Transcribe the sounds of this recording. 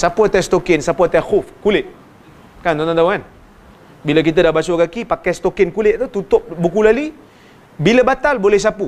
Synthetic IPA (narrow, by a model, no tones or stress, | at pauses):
sapat̪ɛst̪okɪnsapat̪ɛxʊfkulɪʔ̪̚ | kant̪ɔ̃nt̪ɔnt̪awan | bilak̬it̪̬ədahbasuɡakipakajst̪okɪnkulɪʔ̚t̪ut̪ut̪ʊp̚bukulali | biləbat̪albolɛhs̬apu